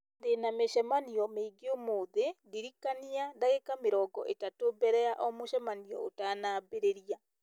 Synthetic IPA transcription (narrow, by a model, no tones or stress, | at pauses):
denameʃɛmaniɔmeiɡeomoðediɾikaniadaɣekameɾɔːɡɔ̰ʔetatobɛɾɛaʔɔmoʃɛmaniɔ̰otaːnaːbeɾeɾia